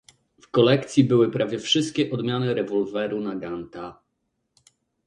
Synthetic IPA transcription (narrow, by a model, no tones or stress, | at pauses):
fkɔlɛkt̪sʲjibɘwɘpɾavʲjɛfʂɘst̪̚kʲɛʔɔd̪mʲjanɘɾɛvɔlvɛɾunaɡant̪a